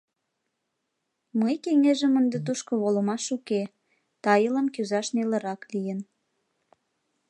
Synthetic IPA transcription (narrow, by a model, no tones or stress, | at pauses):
məjkeŋeʒəmənd̪et̪̬uʃkoβoləmɑʃuke | t̪ɑjələmkyzɑʃnelə̆ɾɑklijən